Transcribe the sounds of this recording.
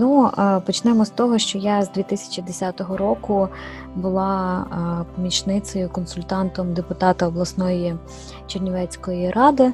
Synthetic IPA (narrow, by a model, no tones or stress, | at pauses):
nupɔt͡ʃnɛmɔst̪ɔɦɔʃt͡ʃɔjazd̪ʲʋʲit̪ɪsʲɐ̥t͡ʃʲid̪esʲat̪ɔɦɔɾɔkʊ | bʊlˠɑ | pɔmʲit͡ʃnɪt͡s̪ɔjʊkɔnsʊlʲt̪ɑnt̪ɔmd̪epʊt̪ɑt̪ɐɔblˠɐsnɔji | t͡ʃirnʲɔʋɛt͡sʲkɔjiɾʔɑd̪ɪ